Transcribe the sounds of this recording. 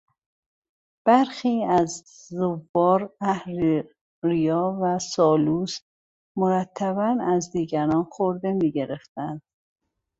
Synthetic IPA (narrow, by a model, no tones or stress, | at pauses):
b̥æɾxiːæz | zːovːɒːɾæhɾ | ɾijɒːvæsɒːluːs | moɾæt̪ʰːæβænæzd̪iːɟæɾɒːnxoɾd̪e̞miːɟe̞ɾe̞ft̪ænd̪̥